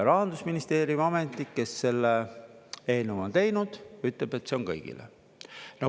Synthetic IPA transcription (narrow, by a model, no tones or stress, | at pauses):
ɾɑɦɑnd̪usminist̪e̞ːɾjumɑmet̪ːˑikːe̞sːe̞lːe | e̞ːnumo̞nt̪e̞jnud̪̥yt̪leb̥e̞t̪ːseo̞nŋkɤ̰jɡ̥ḭlḛ | nɑ